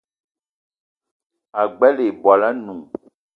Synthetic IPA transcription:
a˨ɡ͡bɛ˦le˨ba˨la˦nũ˨

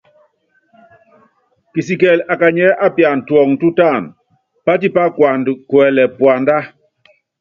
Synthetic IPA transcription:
ki˨si˨kɛ˨la˨ka˨ɲɛ˦ʔa˦pja˨n̩˨twɔ˨ŋ̩˨tu˦ta˦˨n | pa˦ti˦pa˦kwa˨n˨kwɛ˨lɛ˨pwa˨nda˦

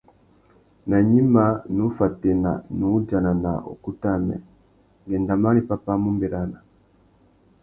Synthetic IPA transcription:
na˨ɲi˦ma˨nu˨˦fa˨tɛ˨na̰˨nu˨˦d͡ʒa˨na˨na̰˨ʔo̰˨ku˦ta˦mɛ̰˨ | ŋɡɛ˨nda˨ma˦ni˨pa˦pa˦mu˦mbɛ˨ɾa˦na˨

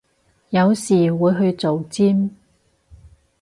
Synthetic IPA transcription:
jɐ˨˧wsiː˨˩wuː˨˧jɦɵ˧ɥt͡so˨wt͡siː˥m

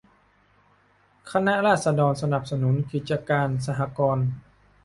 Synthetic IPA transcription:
kʰa˧na˦˥ʔɾaː˥˩t̪̚sa˧dɔː˧nsa˧na˨˩p̚sa˧nu˩˦nkʰi˨˩t̪̚t͡ɕa˧kaː˧ns̬a˧ɦa˧˦kɔː˧n

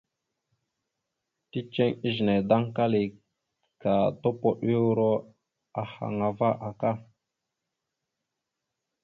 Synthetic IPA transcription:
ti˦t͡ʃe˦ŋi˦ʒne˨da˦ŋka˦li˨ | ka˨to˦po˨ɗi˦wu˦ɾo˦ | a˨ha̰˨ŋa˨va˦ʔa˨ka˦

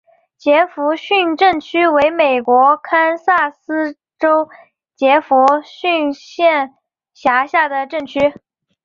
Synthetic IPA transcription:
t͡ɕjɛ˧˥fu˧˥ɕy˥˧nʈ͡ʂə˥˩ŋt͡ɕʰy˥we˧˥ɪme˨˩ɪkwɔ˧˥kʰa˥nsa˥˩sɹ̩˥ | ʈ͡ʂo˥ʊ | t͡ɕjɛ˧˥fu˧˥ɕy˥˧nɕjɛ˥˩n | ɕja˧˥ɕja˥˩d̪ə˩ʈ͡ʂə˥˩ŋt͡ɕʰy˥

